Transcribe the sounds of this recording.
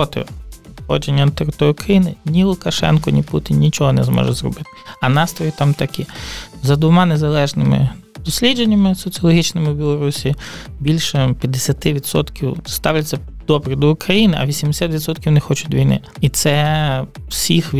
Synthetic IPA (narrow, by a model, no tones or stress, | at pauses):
ɔt̪ɪ̰xɔ̰d͡ʒenʲːɐt̪eɾɪt̪ɔɾʲjʊkɾɐjinɪnʲilˠʊkɐʃɛ̰nkɔnʲiputʲɪnnʲit͡ʃɔɦɔnɛ̰zmɔ̰ʒɛ̰zrɔ̰bɪt̪ɪ̥ɐnɑst̪ɾɔjit̪ɑmt̪ɐkʲizɐd̪ʋʊmɑnezɐlˠɛʒnɪmɪ̰ | d̪̥ɔsʲlʲidd͡ʒenʲːɐmɪsɔt͡sʲiɔlˠɔɦʲit͡ʃnɪmɪwbʲilˠɔɾusʲibʲilʲʃɛpʲjɐd̪ːesʲɐt̪ɪʋʲid̪sɔ̰t̪kʲiwst̪ɑwlʲɐt͡sʲːɐ | d̪̥ɔbɾɪd̪ɔʊkɾɐjinɪʔɐ̰ʋʲisʲimd̪esʲat̪ʲʋʲid̪sɔt̪̚kʲiwnɛxɔt͡ʃʊt̪ʲʋʲijnɪ̰ | it̪sɛ | w̥sʲixʲ